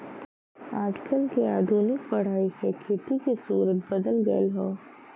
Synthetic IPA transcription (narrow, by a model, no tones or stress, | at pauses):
aːd͡ʒkəlkiaːd̪ʱuːnɪk̚pɐɽ̤aːisekʰeːt̪ikisuːɾət̪̚bɐd̪əlɡə̰ḛlɦoː